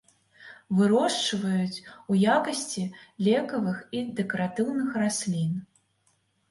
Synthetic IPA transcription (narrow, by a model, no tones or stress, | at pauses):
vɨɾɔʂt͡ʂɐvɐjut͡sʲujakɐsʲt͡sʲilʲɛkɐvɨxid̪ɛkɐɾat̪ɨwnɨxrasʲlʲin